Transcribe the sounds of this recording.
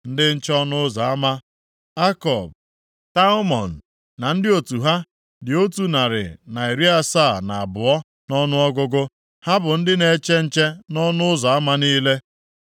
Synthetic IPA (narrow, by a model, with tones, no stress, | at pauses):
n̩˦dɪ˦n̩˦t͡ʃɔ˦nʊ˦za˨a˦ma˦ | a˦kɔ˨b | ta˦mɔ˨n̩˨ | na˨n̩˦dɪ˦o˨tu˨ɦa˦ | dɪ˨o˦tu˨na˨ɾɪ̰˨na˨i˨ɾi˦a˦sa˦˨na˨a˨bʊ˨ɔ˦ | nɔ˦nʊ˦ɔ˦ɡʊ˦ɡʊ˦ | ha˦bʊ˨n̩˦dɪ˦ne˨˦t͡ʃe˦n̩˦t͡ʃe˦nɔ˦nʊ˦ʊ˦za˨a˦ma˦niː˦le˦